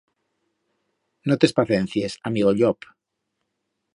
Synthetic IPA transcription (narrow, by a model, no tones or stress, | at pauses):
not̪e̞spaθẽn̟θjesamiɣoʎop